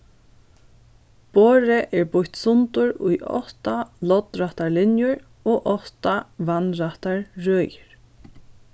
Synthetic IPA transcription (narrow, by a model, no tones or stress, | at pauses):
poːɹɪʔɛɹbʊçt̪sʊnt̪ʊɹʊjʔɔ̰ht̪alɔt̪ɾaht̪aɹlɪnjʊɹ | oːʔɔht̪aʋanɾaht̪aɹɹœːjɪɹ̥